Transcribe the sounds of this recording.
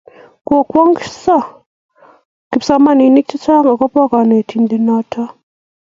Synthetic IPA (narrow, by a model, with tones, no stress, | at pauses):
ko˨kwɔ˦ŋksa˦˨ | ki˨psa˦ma˦˨ni˨˦ni˦k̚t͡ʃa˦t͡ʃa˦ŋɡa˨ka˦pa˦ka˨ne˨tʰi˦ndi˦na˦tʰa˦